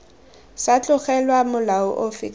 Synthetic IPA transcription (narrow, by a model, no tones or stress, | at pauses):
sat͡ɬʼʊχɛlwamʊlaɔ̰ʔofikʼ